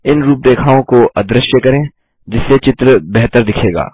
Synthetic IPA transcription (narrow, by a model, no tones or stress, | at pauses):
ɪnɾuːp̚d̪eːkʰaːõkoʔɐd̪ɾəʃjəkɐɾẽː | d͡ʒɪsːet͡ʃɪt̪ɾəbɛɦt̪əɾd̪ɪkʰeːɡa̰ː